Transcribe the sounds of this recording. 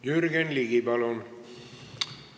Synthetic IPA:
jyɾɡenliɡibɑlon

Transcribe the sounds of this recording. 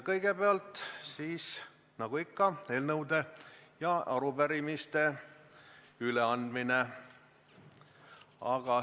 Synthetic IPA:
kɤjɡ̥e̞beɑlt̪siːs | nɑɡ̥uikːɑe̞ːlnɤwd̪e̞jɑɑɾupæɾimist̪e̞ | yleɑnd̪mine | ɑɡ̥ɑ

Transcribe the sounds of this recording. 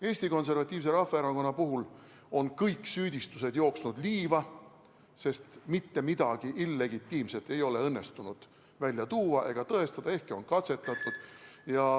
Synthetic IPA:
e̞ːsʲt̪iko̞ns̬e̞rvɑt̪ʲːˑiːvse̞ɾɑfeeɾɑko̞nːɑpuɦul | o̞nkɤjkːˑsyːd̪̥ʲist̪use̞d̪̥jo̞ːksnud̪̥liːvɑ | se̞st̪mit̪ːe̞mid̪̥ɑɡ̥iʔilːe̞ɡit̪ːiːmse̞t̪ːˑe̞jo̞le̞ɤnːe̞st̪unud̪̥ | vælʲjɑt̪uːɑʔe̞ɡ̥ɑt̪ɤe̞st̪ɑd̪ɑe̞hkeo̞nkɑt̪se̞t̪ːˑɑt̪ːˑud̪̥jɑ

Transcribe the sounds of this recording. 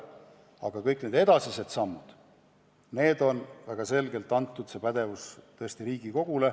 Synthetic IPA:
ɑ̰ɡ̥ɑkɤjkːˑne̞ːd̪e̞d̪̥ɑsise̞d̪̥sɑmːud̪̥ | ne̞ːd̪o̞nvæɡ̥ɑse̞lɡe̞lt̪ːˑɑnt̪ːud̪se̞ːpæd̪̥e̞vust̪ɤest̪iɾiːɡ̥iko̞ɡ̥ule̞

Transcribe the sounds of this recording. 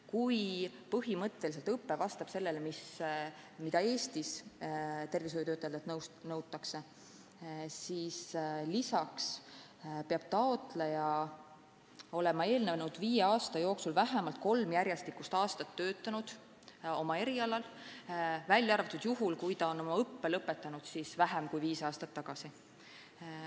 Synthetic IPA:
kujpɤɦimɤt̪ːelis̬e̞lt̪ɤpːe̞vɑst̪ɑb̥se̞lːelemis | mid̪̥ɑe̞ːst̪is | t̪e̞rvishojut̪øːt̪ːˑɑjɑd̪et̪nɤwnɤwt̪ːˑɑkse̞ | siːslisɑks | peɑb̥̚t̪ɑo̞t̪ˑlejɑ | o̞lɛ̞mɑe̞ːlnevnud̪viːjeɑːst̪ɑjo̞ːksulvæɦemɑlt̪̚ko̞lmjæɾjest̪ikust̪ɑːst̪ɑt̪ːø̞ːt̪ːˑɑnud̪̥ | o̞mɑe̞ɾiɑlɑl | vælʲːjɑɑrvɑt̪ːˑud̪̥juɦulkujt̪ɑo̞no̞mɑɤpːe̞lɤpːet̪ːˑɑnud̪̥sisvæɦemkujviːsɑːst̪ɑt̪ːɑɡ̥ɑsi

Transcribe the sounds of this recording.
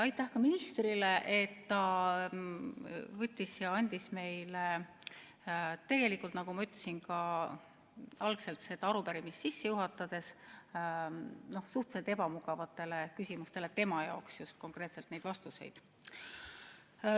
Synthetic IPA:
ɑjt̪ːˑæhkɑminist̪rileʔet̪ːɑ | vɤt̪ʲːisjɑɑnʲd̪̥isme̞jle | t̪e̞ɡ̥e̞likːˑult̪nɑɡ̥umɑyt̪ˑlesinkɑ | ɑlɡse̞lt̪se̞d̪ɑɑɾupæɾimist̪sisːe̞juɦɑt̪ːˑɑd̪̥e̞s | no̞hsuht̪se̞lt̪e̞bɑmuɡ̥ɑvɑt̪ːˑe̞le̞kysʲimust̪e̞le̞t̪e̞mɑjɑ̰oksjust̪̚ko̞ŋkre̞ːt̪selt̪ne̞jd̪vɑst̪use̞̰jd̪̥

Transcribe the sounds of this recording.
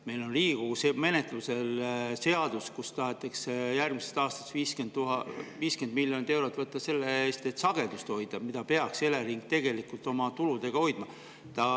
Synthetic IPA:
me̞jlo̞nliːɡ̥useme̞ne̞t̪ˑluse̞lse̞ɑd̪̥uskust̪ɑɦet̪ːˑɑksjærɡ̥misest̪ɑːst̪ɑ̥sviːskenuɦɑviːskend̪miljo̞nid̪e̞wɾo̞t̪ːˑvɤt̪ˑːɑse̞lːeeːst̪et̪sɑɡ̥e̞d̪ust̪o̞jd̪̥ɑmid̪̥ɑpe̞ɑkse̞leɾiŋɡ̥̚t̪e̞ɡe̞likult̪ˑo̞mɑt̪ulud̪̥e̞ɡ̥ɑo̞jd̪̥mɑ | t̪ɑ

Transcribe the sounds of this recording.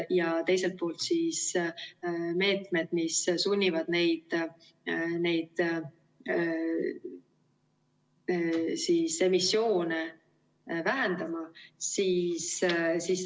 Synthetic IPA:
jɑt̪e̞jse̞lt̪̚po̞ːlt̪sis | me̞ːt̪med̪̥missunʲːivɑd̪̥ne̞jd̪̥ | ne̞jd̪̥ | sise̞misːjo̞ːne | væɦend̪̥ɑmɑsiːssiːs

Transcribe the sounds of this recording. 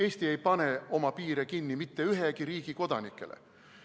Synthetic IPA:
e̞ːsʲt̪ie̞jpɑne̞o̞mɑpiːɾekinːimit̪ːe̞yɦekiɾiːɡ̥iko̞d̪ɑnikːˑe̞̰lḛ

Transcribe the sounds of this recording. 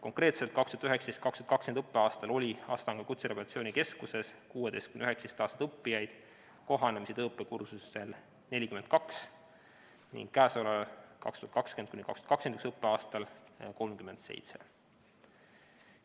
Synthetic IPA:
ko̞ŋkɾe̞ːt̪selt̪̚kɑkst̪uhɑt̪yɦe̞ksd̪est̪̚kɑkst̪u̥ɑt̪kɑkskend̪ɤpːeɑːst̪ɑlo̞lʲiɑ̰ːst̪ɑŋɡ̥ɑkut̪seɾepoɑt̪sio̞ːnike̞skuse̞skuːe̞d̪e̞jst̪̚kymnyheksd̪̥est̪ɑːst̪d̪ɤpːijɑjd̪̥ | ko̞ɦɑnemisid̪ɤːpːe̞kursue̞l | ne̞lʲikymed̪̥̚kɑks | nḭŋɡ̥kæːsolɑlkɑ̰kst̪uhɑt̪kɑkske̞nd̪̚kunikɑkst̪ːɑ̥t̪kɑksed̪yksɤpːeɑːst̪ɑlko̞lmkyme̞nd̪̥se̞̰jt̪se̞̰

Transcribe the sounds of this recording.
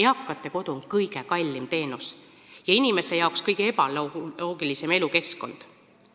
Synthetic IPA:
eɑkːˑɑt̪ːˑe̞ko̞d̪̥uonkɤjɡ̥e̞kɑlʲːimt̪e̞ːnus | jɑinime̞se̞jɑokskɤjɡ̥ee̞b̥ɑlo̞ːɡilise̞me̞luke̞sko̞̰nd̪̥

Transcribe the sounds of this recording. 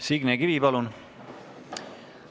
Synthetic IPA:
siɡneɡivipɑlun

